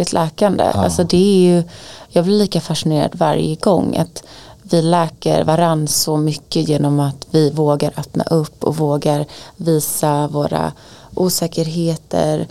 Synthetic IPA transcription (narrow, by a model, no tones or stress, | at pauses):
ɪt̪ʰlʔɛːkand̪ə̰ʔa̰lsɔd̪ɛæjɵjɑːɡblɪɾliːkafaʂɪneːɾa̰d̪va̰ɾjəɡɔŋːa̰t̪vɪlɛːkə̰ɾvaɾansɔmʏkːəjeːnɔmat̪vɪvoːɡaɾʔœpna̰ʔɵpːɔ̰voːɡaɾviːsavoːɾa̰ | ʔuːsɛːkəɾɦeːt̪ə̰ɾ